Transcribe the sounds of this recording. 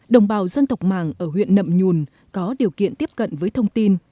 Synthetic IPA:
ɗə˨˩wŋ͡mɓaː˨˩wzə˧nt̪ə˨˩wk͡p̚maː˨˩ŋʔəː˧˩ɦwḭ˧˨ənːə̰˧˨mɲu˨˩n | kɔ˨˦ɗi˨˩əwkḭ˧˨ənt̪i˦˥əp̚kə̰˧˨nvəː˨˦jt̪ʰə˧wŋ͡mt̪i˧n

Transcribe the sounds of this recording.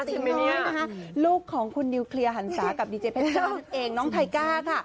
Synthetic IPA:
a˥˩na˦˥kʰa˦˥ʔluː˥˩kʰːɔː˩˦ŋkʰu˧nːi˧kʰli˧ɐɦa˩˦nsaː˩˦ka˨˩p̚diː˧t͡ɕeː˧pʰe˦˥nsʰoː˥˩˥nʔeː˧ŋnɔː˦˥ŋt̪ʰa˧jkaː˥˩kʰa˥˩

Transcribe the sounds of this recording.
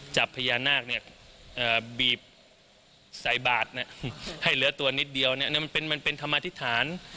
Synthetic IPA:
t͡ɕa˨˩pʰːa˧jaː˧nːaː˥˩k̚ni˥˩ɐʔɤː˨˩biː˨˩p̚ | sa˨˩˦jbaː˨˩t̪̚na˦˧˩ha˥˩jlɯ˩˦ɐt̪u˧ɐni˦˥t̪̚di˧əwa˧ni˦˥ɐ˨ni˦˥˩ma˧npe˧nma˧npe˧nt̪ʰa˧mːaː˧t̪ʰi˦˥t̪ʰaː˩˦n

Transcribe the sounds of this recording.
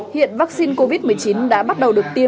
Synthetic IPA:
hḭ˧˨ənvaː˦˥k̚si˧nko˧vi˦˥t̚mɨ˨˩əjt͡ɕi˨˦nɗa̰ː˧˥ɓa˦˥t̚ɗə˨˩wɗɨ˨˩ək̚t̪i˧ə

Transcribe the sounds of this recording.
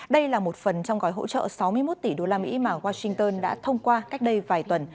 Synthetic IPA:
ɗə˧jlaː˨˩mo˨˩t̚fə˨˩nt͡ɕɔ˧wŋ͡mɣɔ˨˩˦jɦo̰˧˥t͡ɕə̰ː˧˨sa˨˦wmɨ˧əjmo˦˥t̚t̪i˧˩ɗo˧laː˧mḭ˧˥maː˨˩ɣwaː˧sï˧ŋt̪əː˧nɗa̰ː˧˥t̪ʰə˧wŋ͡mkwaː˧ka˦˥jk̟̚ɗə˧jvaː˨˩jt̪wə˨˩n

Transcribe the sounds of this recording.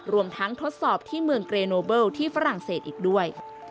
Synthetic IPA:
ɾu˧əmt̪ʰa˦˥ŋt̪ʰo˦˥t̪̚sɔː˨˩p̚t̪ʰiː˥˩mɯ˧əŋkɾeː˧noː˧bɤː˥˩wt̪ʰiː˥˩fa˦˥ɾa˨˩ŋseː˨˩t̪ʔiː˨˩k̚du˥˩əj

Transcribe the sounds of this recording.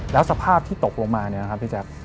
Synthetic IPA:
lɛː˦˥wsa˧pʰaː˥˩p̚t̪ʰiː˥˩t̪o˨˩k̚lo˧ŋmaː˧ni˦˩ɐn˧kʰp̚ʰːi˦˥˩t͡ɕa˦˥k̚

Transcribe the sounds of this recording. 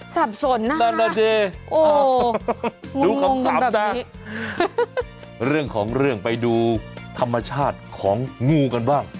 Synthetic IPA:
sa˨˩p̚so˨˩˦nːa˧˥a˧a˧˩t͡ɕeː˧ʔoː˧˩ | ŋduː˧ŋkːa˧o˧mŋa˧aː˧˦bɛː˨˩t̪a˦˧˩ | ɾɯ˥˩əŋkʰɔː˩˦ŋɾɯ˥˩əŋpa˧jduː˧t̪ʰa˧mːa˧t͡ɕʰaː˥˩t̪̚kʰɔː˩˦ŋŋuː˧ka˧nbaː˥˩ŋ

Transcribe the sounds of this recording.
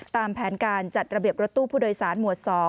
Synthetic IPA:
t̪aː˧mpʰɛː˩˦nkaː˧nt͡ɕa˨˩t̪̚ɾa˧bi˨˩əp̚ɾo˦˥t̪ːuː˥˩pʰuː˥˩doː˧jsaː˩˦nmu˨˩ət̪̚sɔː˩˦

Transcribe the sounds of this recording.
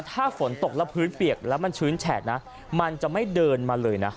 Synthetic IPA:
t̪ʰaː˥˩fo˩˦nt̪o˨˩k̚lɛ˦˥wpʰɯː˦˥npi˨˩ək̚lɛː˦˥wma˧nt͡ɕʰɯː˦˥nt͡ɕʰɛː˨˩t̪̚na˦˥ | ma˧nt͡ɕa˨˩ma˥˩jdɤː˧nmaː˧lɤː˧jna˦˥

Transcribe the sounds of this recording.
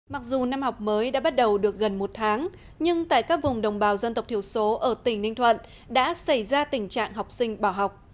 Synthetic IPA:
ma˨˩k̚zu˨˩na˧mha˨˩wk͡p̚məː˨˦jɗa̰ː˧˥ɓa˦˥t̚ɗə˨˩wɗɨ˨˩ək̚ɣə˨˩nmo˨˩t̚t̪ʰaː˨˦ŋ | ɲɨ˧ŋt̪a̰ː˧˨jkaː˦˥k̚vʊ˨˩ŋ͡mɗə˨˩wŋ͡mɓaː˨˦wzə˧nt̪ə˨˩k͡p̚t̪ʰəwso˨˦ʔəː˧˩t̪ï˧˩ŋ̟nï˧ŋt̪ʰwə̰˧˨n | ɗa̰ː˧˥sa˧˩jzaː˧t̪ï˧˩ŋ̟t͡ɕa̰ː˧˨ŋɦa˨˩wk͡p̚sï˧ŋ̟ɓaː˧˩wɦa˨˩wk͡p̚

